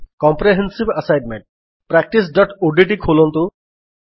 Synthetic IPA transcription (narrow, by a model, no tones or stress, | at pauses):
kɔmpɾeɦensibɐsajɖmeɳʈ̚ | pɾak̚ʈis̬ɖɔʈuɖiʈ̬ikʰolɔnt̪u